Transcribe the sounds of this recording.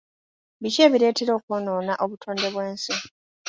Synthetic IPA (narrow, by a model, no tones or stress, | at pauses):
βice̞ːβiɾe̞ːte̞ɾo̞ːkwoːno̞ːnaʔo̞βutʰoːnde̞βwe̞ːnsi